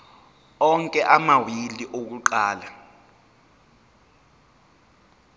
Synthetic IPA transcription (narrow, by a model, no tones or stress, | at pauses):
ɔŋkʼɛʔamawiliʔok̬uǃaːla